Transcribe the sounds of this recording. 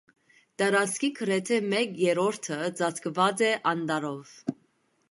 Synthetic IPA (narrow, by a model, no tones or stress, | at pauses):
t̪ɑɾɑt͡skʰikʰəɾɛt̪ʰɛmɛkjɛɾɔɾt̪ʰəd͡zɑt͡skʰvɑt͡sɛʔɑnd̪ɑɾɔv